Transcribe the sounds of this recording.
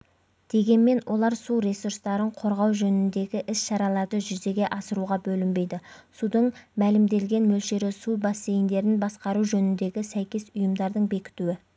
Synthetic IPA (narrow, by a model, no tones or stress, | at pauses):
d̪̥e̞ɡʲe̞nme̞nwʔo̞lˠɑɾsuɾe̞surst̪ɑɾəɴqʰo̞ɾʁɑwʒɵnɪnd̪e̞ɡʲɪʔɪsʃɑɾɑlˠɑɾd̪əʒʏze̞ɡʲe̞ʔɑsəɾuʁɑbɵlɪmbe̞jd̪ɪsud̪əɴmælɪmd̪e̞lɡʲe̞nmɵlʃe̞ɾɪsubɑsːe̞jɪnd̪e̞ɾɪnbɑsqɑɾuʒɵnɪnd̪e̞ɡʲɪsæjkʲe̞sʊjəmd̪ɑɾd̪əɴbe̞kʲɪ̥t̪uɪ